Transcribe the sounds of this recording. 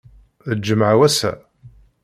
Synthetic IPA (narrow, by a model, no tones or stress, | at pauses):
əd͡ʒːəmʕawæsæ̰